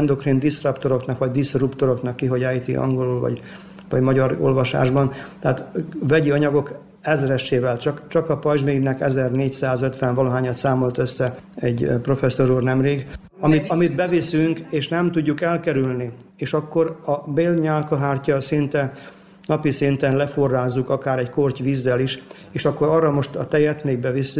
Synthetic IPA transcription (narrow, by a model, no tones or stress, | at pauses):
ɛnd̪o̞krind̪isrɒpt̪o̞ɾo̞knɒkʋɒɟ̚d̪isrupt̪o̞ɾo̞knɒkːiɦo̞ɟaːjt̪ḭʔɒ̰ŋɡo̞lulvɒ̰ɟ | vɒ̰ɟmɒɟɒɾo̰lvɒʃa̰ːʒbɒnt̪ɛaːt̪vɛɟiɒɲɒɡo̞k | ɛzɾɛʃːeːvɛlt͡ʃɒkt͡ʃɒkɒpɒjʒmiːɡnɛkɛzɛrneːcsaːzøt̪ʋɛɱvɒloɦaːɲɒt̪saːmo̞lt̪øsːɛ | ɛɟpro̞fɛsːo̞ɾuːrnɛmreːɡ | ɒmit̪ɒmid̪bɛvisyŋkeːʃnɛmt̪uɟːukɛlkɛɾylni | eːʃɒkːo̞ɾɒbeːlɲaːlkɒɦaːrcɒsint̪ɛ | nɒpisint̪ɛnlɛforːaːzːukɒkaːɾɛɟkorcʋiːzːɛliʃ | eːʃɒkːo̞ɾɒrːɒmo̞ʃt̪ɒt̪ɛjɛt̪meːɡbɛvisy